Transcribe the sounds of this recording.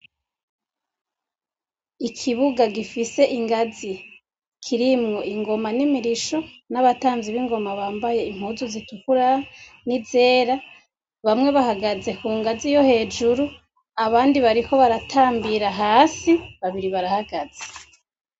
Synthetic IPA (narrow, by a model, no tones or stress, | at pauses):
ikʰiβuɡaɡifise̞ʔiŋɡazi | kʰiɾimŋo̞ʔiŋɡo̞manimiɾiʃo̞naβataːnziβiŋɡo̞maβaːmbaje̞im̥huːzuzitukuɾanize̞ːɾa | βamŋe̞βahaɡaze̞kuːŋɡazijo̞he̞ːd͡ʒuɾu | aβaːndiβaɾiko̞βaɾatʰaːmbiɾaɦaːsiβaβiɾiβaɾahaɡaz̥e̥